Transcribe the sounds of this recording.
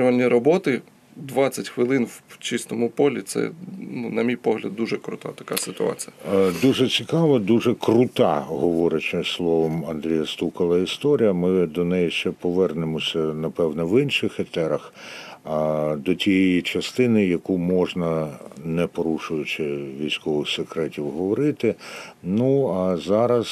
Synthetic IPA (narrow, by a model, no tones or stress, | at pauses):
ʊʋɐnʲːiɾɔbɔt̪ɪ | d̪ʋɑt͡sʲɐtʲxʋɪlˠɪnwt͡ʃist̪ɔmʊpɔlʲit̪sɛ̰nunɐmʲijpɔɦlʲɐd̪̚d̪uʒɛkɾʊ̰t̪a̰t̪ɐ̥kasɪt̪ʊɑ̰t͡sʲijɐd̪uʐɛt͡sʲikɑʋɐd̪uʒɛkrʊt̪ɑɦɔʋɔɾʲɐt͡ʃɛslˠɔʋɔmɐnd̪ɾʲijɐst̪ukɐlˠɐist̪ɔɾʲijɐmɪd̪ɔnɛjiʃt͡ʃɛpɔʋɛrnɪmɔsʲɐnɐpɛwnɛʋɪnʃɪxɛt̪ɛɾɐx | d̪ɔtʲijɛjjit͡ʃɐst̪ɪnɪjɐkumɔʒnɐnɛpɔɾuʃʊjʊt͡ʃɪʋʲijsʲkɔʋɪxsekɾɛtʲiwɦɔʋɔɾɪt̪ɪnuɐzɑɾɐz